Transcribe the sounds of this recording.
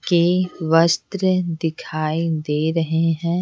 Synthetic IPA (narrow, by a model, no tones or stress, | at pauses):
keʋəst̪ɾəd̪ɪkʰaːid̪eːɾɐɦeɦɛ̃ː